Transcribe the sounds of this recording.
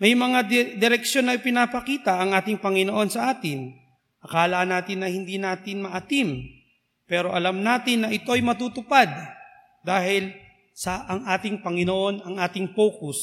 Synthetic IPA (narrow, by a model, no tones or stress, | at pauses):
mɐjmɐŋad̪ɪɾɛkʃjo̞nːɐɪpɪnapɐkiːt̪ɐʔɐŋʔaːt̪ɪŋpɐŋɪnoʔo̞nsɐʔaːt̪ɪn | ʔɐkaːlɐʔnaːt̪ɪnːɐhɪnd̪inaːt̪ɪnmɐʔɐt̪im | pɛːɾo̞ʔɐlamnaːt̪ɪnːɐʔɪt̪o̞ɐjmɐt̪uːt̪ʊpad̪ | d̪aːɦɪl | sɐʔɐŋʔaːt̪ɪŋpɐŋɪnoʔo̞nɐŋʔaːt̪ɪŋpoːkʊs